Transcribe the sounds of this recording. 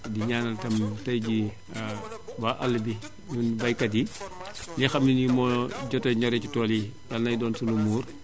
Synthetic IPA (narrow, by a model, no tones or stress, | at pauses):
diɲaːnɐltɐmtɐjɟi | baʔɐlːbi | nunbajkɐdi | lixɐminjimɔɟɔtoɲɔɾɛt͡ʃutɔːlijalnɐjdɔːnsulumuːr